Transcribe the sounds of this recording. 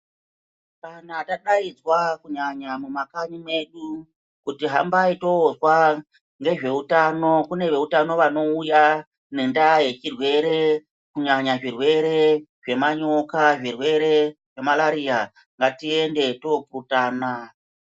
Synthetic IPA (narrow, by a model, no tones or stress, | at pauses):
kanataɗaid͡zwakuɲaɲamumakaɲime̞ɗu | kutiɦa̰mbaito̞ːzwa | ŋɡe̞ʐe̞utano̞kune̞ʋe̞utano̞ʋano̞uja | nendaje̞t͡ʃirwe̞ɾe̞ | kuɲaɲaʐirwe̞ɾe̞ʐe̞maɲo̞kaʐirwe̞ɾe̞ | ʐe̞malaɾia | ŋɡatie̞nde̞to̞puutaːna